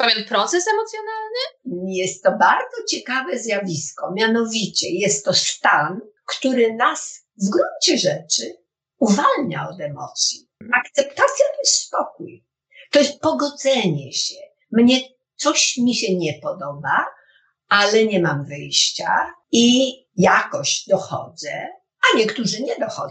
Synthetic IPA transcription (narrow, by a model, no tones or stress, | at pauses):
pavʲjɛnpɾɔt̪sɛsɛmɔt̪sʲjɔnalnɘjɛst̪ːɔbaɾd̪zɔt͡ɕɛkavɛzʲjavʲiskɔmʲjanɔvʲit͡ɕɛjɛst̪ːɔst̪an | kt̪uɾɘnas | vɡɾuɲt͡ɕɛʐɛt͡ʂɘ | uvalɲa̰ɔd̪ɛmɔ̰t̪sʲji | akt̪sɛpt̪at̪sʲjat̪ɛsspɔk̚uj | t̪ɔjɛst̪̚pɔɡɔd̪zɛɲɛɕɛ | mɲɛ | t̪sɔɕmʲiɕɛɲɛpɔd̪ɔba | alɛɲɛmamvɘjɕt͡ɕa̰ | i | jakɔɕd̪ɔxɔ̰d̪zɛ̰ | aɲɛkt̪uʐɘɲɛd̪ɔxɔ̰